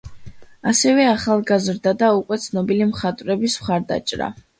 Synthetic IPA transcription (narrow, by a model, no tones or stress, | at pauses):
asɛvɛaχalˠɡazɾd̪ad̪aukʼwɛt̪sʰnɔbilimχat̪ʼvɾɛbismχaɾd̪a̰t͡ʃʼɾa̰